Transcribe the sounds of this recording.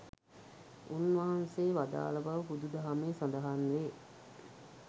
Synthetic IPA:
unʋɐɦanseːʋad̪a̰ːlɐbaʋəpud̪ud̪ɐɦameːsand̪ɐɦanʋeː

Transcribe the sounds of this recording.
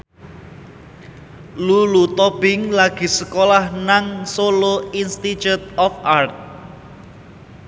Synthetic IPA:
lulut̪ɔb̥ɪŋlaɡ̥i̤səkolahnaŋsoloinst̪it͡ʃut̪̚ɔfʔart̪̚

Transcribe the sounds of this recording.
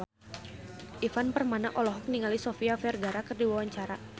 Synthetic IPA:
ʔifanpərmana̰ʔɔlɔɦɔk̚niŋalisofiafɛrɡaɾakərdiwawaɲt͡ʃaɾa

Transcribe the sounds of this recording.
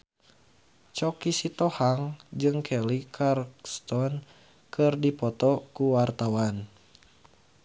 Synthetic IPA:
t͡ʃɔkisit̪ɔhaŋd͡ʒɨŋkʰɛlikʰarkst̪ɔn | kʰɨrdipɔt̪ɔkuwart̪awan

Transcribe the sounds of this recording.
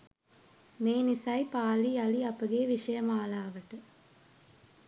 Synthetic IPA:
meːnisɐjpaːliɐliɐpəɡeːʋiʃɐjɐmaːlaːʋɐʈə

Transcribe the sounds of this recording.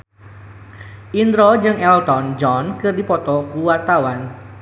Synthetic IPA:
ʔind̪ɾɔd͡ʒɨŋɛlt̪ɔnd͡ʒɔnkɨrdipɔt̪ɔkuwart̪awan

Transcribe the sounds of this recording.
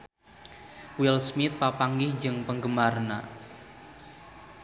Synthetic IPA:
wilsmɪt̪̚papaŋɡɪhd͡ʒɨŋpəŋɡəmarna̰

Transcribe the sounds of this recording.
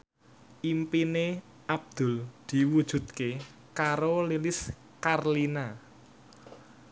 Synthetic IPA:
ʔimpine | ʔab̚d̪̥ʊ̤ld̪̥i̤wud̥ʒ̥ṳt̪̚ke | kaɾolilɪs | karlina

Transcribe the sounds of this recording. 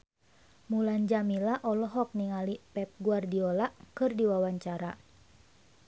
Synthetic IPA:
muland͡ʒamilaʔɔlɔɦɔk̚niŋalipɛp̚ɡuardiɔlaʔkɨrdiwawaɲt͡ʃaɾa

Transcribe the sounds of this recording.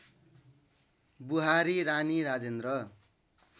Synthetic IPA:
buɦaɾiɾaniɾad͡zend̪rʌ

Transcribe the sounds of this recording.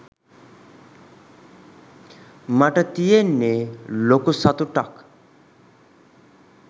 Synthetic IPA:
maʈat̪ijenelokosat̪uʈak

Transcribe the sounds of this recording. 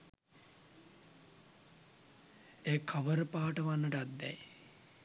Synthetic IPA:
eːkʰaʋəɾpaːʈəʋanːəʈat̪̚d̪ɛ̰j

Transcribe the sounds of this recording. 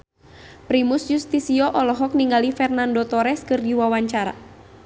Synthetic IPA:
pɾimusjust̪isiɔʔɔlɔɦɔk̚niŋɡalifɛrnandɔt̪ɔɾɛskɨrdiwawaɲt͡ʃaɾa̰

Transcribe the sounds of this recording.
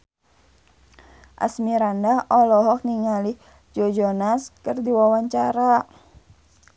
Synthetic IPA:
ʔa̰smiɾandaɔlɔɦɔk̚niŋali | d͡ʒɔd͡ʒɔnaskərdiwawaɲt͡ʃaɾa

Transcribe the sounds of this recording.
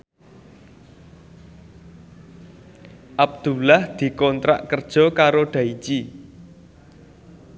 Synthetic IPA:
ʔab̚d̪̥ṳlahd̪̥i̤kɔnt̪ɾa̰ʔkərd̥ʒ̥ɔ̤kaɾoɖ̪̥ä̤it͡ʃi

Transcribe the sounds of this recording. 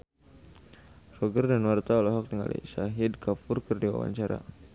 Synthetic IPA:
sɔɡərdanwart̪aɔlɔɦɔk̚dəŋa̰lḭsaɦɪdkafʊrkərdiwa̰wa̰ɲt͡ʃaɾa̰

